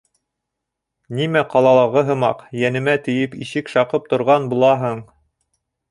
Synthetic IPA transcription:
nimæqɑlˠɑlˠɑʁɤɦɤ̆mɑqjænɘ̆mæt̪ɘ̆jɘpiʃɘkʃɑqɤp̚t̪ŏɾʁɑnbulˠɑɦɤɴ

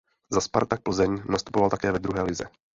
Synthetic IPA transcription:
zaspa̰ɾt̪ak̚pl̩zɛɲnast̪u̥povalt̪akɛːvɛd̪ɾuɦɛːlɪzɛ̰

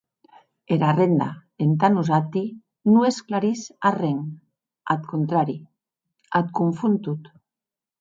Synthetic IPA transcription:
eɾarend̪a̰ent̪anuzat̪i | nuesklaɾisareŋ | a̰t̪kont̪ɾaɾi | at̪kuɱfunt̪ut̪

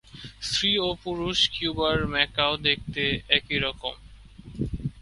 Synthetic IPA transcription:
sɾiopuɾuʃkjubaɾmɛkaod̪ek̚ʰt̪eɛkiɾɔkom

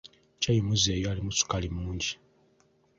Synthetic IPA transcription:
cajimuzeːjoalimut͡su̥kalimuːɲɟi

